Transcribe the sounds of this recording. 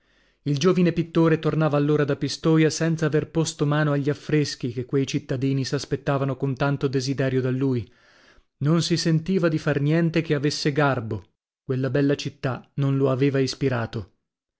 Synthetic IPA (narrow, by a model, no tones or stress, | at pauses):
ild͡ʒoːvinepit̪ːoːɾet̪ornaːvaːlːoːɾad̪apist̪oːjasɛnt̪saːverpost̪omaːnoaʎːiafːɾesk̟ikekːwejt͡ʃit̪ːad̪iːnisaspet̪ːaːvanokont̪ant̪od̪ezid̪ɛːɾjod̪alːuːj | nonsisent̪iːvad̪ifarnjɛnt̪ekeavesːeɡarbo | kwelːabɛlːat͡ʃit̪ːanonloaveːvaispiɾaːt̪o